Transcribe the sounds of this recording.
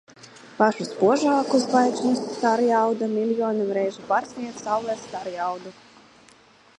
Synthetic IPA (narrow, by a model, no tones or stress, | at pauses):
paʃuspuɔʒɑːkuzvajʒnust̪aɾjawd̪amilʲjɔːnɨmɾɛjʒupaɾsʲnʲiɛk̪sawlɛst̪aɾjawd̪u